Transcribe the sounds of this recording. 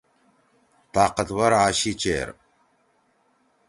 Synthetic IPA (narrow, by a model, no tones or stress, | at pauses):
t̪aːqət̪wɐɾaːɕit͡ɕḛːɾ